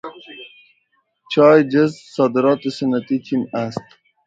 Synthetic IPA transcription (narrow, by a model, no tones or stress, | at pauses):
t͡ʃɑːjd͡ʒɐzsɑːd̪ɪɾɑːt̪esənat̪it͡ʃʰinast̪